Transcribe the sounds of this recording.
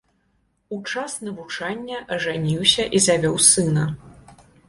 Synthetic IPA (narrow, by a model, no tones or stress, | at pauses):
ut͡ʂasnɐvut͡ʂanʲːɐʔɐʐanʲiwsʲɐʔizavʲɔwsɨnɐ